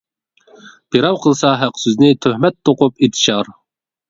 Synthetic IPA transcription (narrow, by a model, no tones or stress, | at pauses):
b̥iɾɑwqʰəlˠsɑɦæqsyznɪt̪ʰøhmɛt̪ʰːoqʊpit̪ʰʃɑɾ